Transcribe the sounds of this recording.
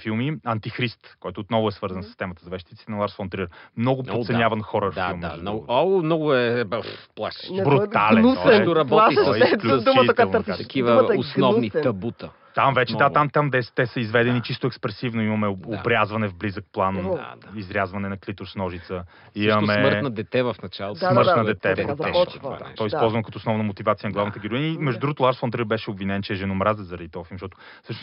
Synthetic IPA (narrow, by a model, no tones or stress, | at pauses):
filˠmiɐnt̪ixɾist̪kɔjt̪ʊːt̪nɔvʊɛsvɤɾzəɐnsist̪ɛmɐt̪əzɐvɛʃt̪it̪it̪ɛnɐlˠaɾsfɔnt̪ɾiɾmnɔɡʊp̪ot̪sɛnjavɐnxɔɾəffailˠmanɔɔmnɔɡʊɛbɛplˠa̰ʃbɾut̪alɛusɛd̪oɾɐbɔaɛklud̪umət̪əkaɾt̪at̪ɐkivmsɔvniɐbut̪ə | t̪amvɛt͡ʃɛd̪aamt̪amd̪ɛst̪ɛsəizvɛd̪ɛnit͡ʃist̪ʊɛkspɾɛsivnʊimɐmɛobɾʲjazvɐnɛvblizək̚plˠanizɾʲjazvɐnɛnɐklit̪oɾsnɔʒit̪sə | imɐmɛmɾtnɐd̪ɛt̪ɛvɐfnɐt͡ʃadsmmɤɾtnɐd̪ɛt̪ɛpɾot̪ɔt͡ʃt̪ɔjispɔlˠzvɐnkɐt̪ɔoːsnɔvnəmot̪ivat̪sijənɐɡlˠavnət̪əɡʲiɾʊinəimɛʒd̪ud̪ɾuɡot̪ʊlˠaɾsfont̪ɾibɛʃɛobvinɛnt͡ʃɛːʒɛnomɾazɛzɐɾɐd̪it̪ɔfimʃt̪ɔt̪ʊ̥ | sɤʃnos